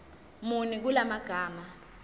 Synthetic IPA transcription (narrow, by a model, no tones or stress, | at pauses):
munik̬ulamaɡ̥ʱaːma